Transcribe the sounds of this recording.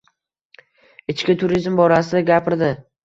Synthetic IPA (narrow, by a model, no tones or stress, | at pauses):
ɪt͡ʃkʲɪt̪ʰʊɾizmbɒɾasɪd̪aɡʲapʰɪɾd̪ɪ